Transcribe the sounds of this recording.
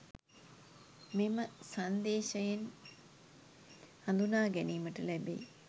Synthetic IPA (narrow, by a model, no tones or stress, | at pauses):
miməsand̪eːʃɐjen | and̪unaːɡɛniːməʈəlɛbḛ